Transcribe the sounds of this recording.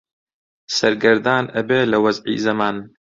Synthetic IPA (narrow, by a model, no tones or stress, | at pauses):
sɐɾɡɐɾd̪aːnɐbeːlɐwɐzʕḭːzɐmaːn